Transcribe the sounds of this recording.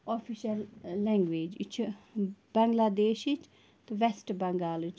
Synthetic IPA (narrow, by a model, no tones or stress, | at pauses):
ofʰiʃɐlːɛ̃ŋɡʋeːd͡ʒḭt͡ʃʰ | b̥ɐŋɡlad̪eːʃit͡ʃ | t̪uʋɛsʈbɐŋɡaːlit͡ʃʰ